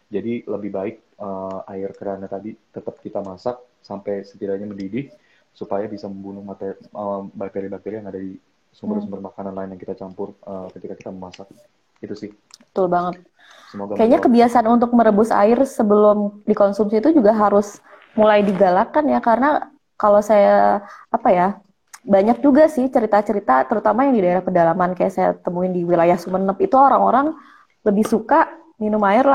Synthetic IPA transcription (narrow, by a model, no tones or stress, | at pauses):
d͡ʒadiləbɪhbaɪk̚əaɪrkəɾanat̪adit̪ət̪əp̚kit̪amasak̚sampɛjsət̪iɾaɲaməndidɪh | supajabisaməmbunʊhmat̪eəbak̚t̪eɾibak̚t̪eɾijaŋadadi | sumbəɾsumbərmakananlaɪnjaŋkit̪at͡ʃampʊrəːkət̪ikakit̪aməmasak̚ | it̪usɪh | bbə̥t̪ʊlbaŋət̪̚ | səmoɡakajaɲakəbiasanunt̪ʊk̚məɾəbʊsa̰ɪrsəbəlʊmdikonsumsiːt̪ud͡ʒuɡaɦaɾʊs | mulajdiɡalakanjakaɾəna | kalosajaːpaja | baɲak̚d͡ʒuɡasɪht͡ʃəɾit̪at͡ʃəɾit̪at̪əɾut̪amajaŋdidaeɾahpərdalamankaja̰ʔsaja̰t̪əmuɪndiwilajahsumənəpit̪uoɾaŋoɾaŋ | ləbɪhsukaʔ | minʊmaɪrla